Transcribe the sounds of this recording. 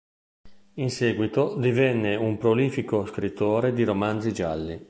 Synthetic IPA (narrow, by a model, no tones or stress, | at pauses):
insɛːɡwit̪od̪ivɛnːeumpɾoliːfikoskɾit̪ːoːɾed̪iɾomand̪zid͡ʒalːi